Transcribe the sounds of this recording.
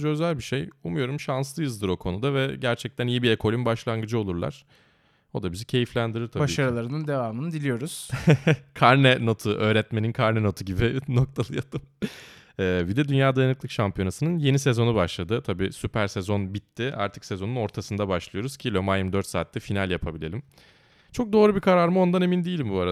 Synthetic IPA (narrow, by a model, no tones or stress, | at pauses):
d͡ʒøzælʲbiʃe̞jumujo̞ɾumʃanslˠɯjɯzd̪ɯɾo̞kʰo̞nud̪avɛɟæɾt͡ʃʰɛc̚t̪ʰænijibiekʰo̞lʲimbaʃlˠanŋɡɯd͡ʒɯo̞lˠuɾlˠa̰ɾ̥ | o̞d̪abizicʰe̞jiflʲænd̪iɾiɾt̪ʰababiʃaɾɯlˠaɾɯnɯnd̪e̞vaːmɯnɯd̪ilʲijo̞ɾuz̥ | kʰaɾnɛno̞t̪ʰuʔø̞ːɾɛt̪me̞ninkʰaɾnɛno̞t̪ʰuɟibino̞k̚t̪ʰalˠɯjat̪ʰɯm | ɛːvid̪ɛd̪ynjaːd̪ajanɯklˠɯkʃampʰijo̞nasɯnɯnje̞nise̞zo̞nubaʃlˠad̪ɯt̪ʰabiːsypʰæɾsezo̞nbit̪ʰːɪa̰ɾt̪ʰɯ̥ksezo̞nuno̞ɾt̪ʰasɯnd̪abaʃlˠɯjo̞ɾuz̥cʰilʲo̞majɯmd̪øɾt̪sa̰ːt̪ːɛfinalʲjapʰabilʲe̞lʲim | t͡ʃʰo̞k̚d̪o̞ːɾubikʰaɾaɾmɯo̞nd̪ane̞mind̪ijilʲimbuaɾa